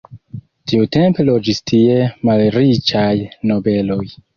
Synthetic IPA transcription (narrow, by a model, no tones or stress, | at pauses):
tiute̞mpe̞lo̞d͡ʒistʰie̞malɾit͡ʃajno̞be̞lo̞j